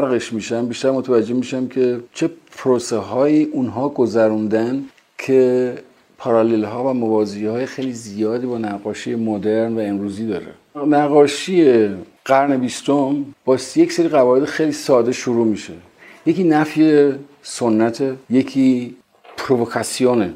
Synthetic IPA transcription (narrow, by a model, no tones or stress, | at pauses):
æɾɣeʃmiːʃæmbiʃt̪æɾmot̪ʰævæd͡ʒːe̞miːʃæmkʲʰe̞t͡ʃʰe̞pʰɾoseɦɒːiːʔunɦɒːɡozæɾund̪æn | kʰe̞ | pʰɒɾɑlelɦɒːvæmovɒːzehɒːjexejliːzijɒːd̪iːbɒːnæɣɒːʃijemod̪e̞ɾnvæemɾuːziːd̪ɒːɾḛnæɣːɒːʃije | ɢ̥æɾne̞bist̪ombɒːsjecseɾiːɣævɒːje̞d̪exejliːsɒːd̪e̞ʃoɾuːmiʃḛ | je̞ciːnæfje | sonːæt̪ʰejecʰiː | pʰɾovokʰæsijone